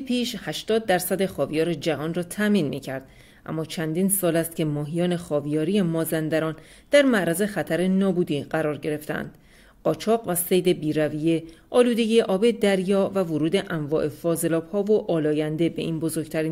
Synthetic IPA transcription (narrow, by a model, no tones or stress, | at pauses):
pʰiːʃhæʃt̪ɒːd̪̚ːæɾsæd̪e̞xɒːvijɒːɾed͡ʒævɒːnrɒːt̪ʰæʔmiːnmiːcʰæɾd̪̥̚ | ʔæ̰mːɒːt͡ʃʰænd̪iːnsɒːlæst̪̚cʰe̞mɒːɦijɒːne̞xɒːvijɒːɾije̞mɒːzænd̪æɾɒːn | d̪̥æɾmæʔɾæze̞xæt̪ʰæɾe̞nɒːbuːd̪iːɢæɾɒːɾɟe̞ɾe̞ft̪eæ̰nd̪̥ | ɢɒːt͡ʃʰɒːɣvæse̞jd̪e̞biːɾævije̞ʔɒːluːd̪e̞ɟiːjeʔɒːbe̞d̪æɾjɒːvævoɾuːd̪e̞ʔæɱvɒːʔe̞fɒːze̞lɒːbhɒːvo̞ʔɒːlɒːjænd̪e̞be̞̰ʔinbo̞zo̞ɾɡt̪ʰæɾiːn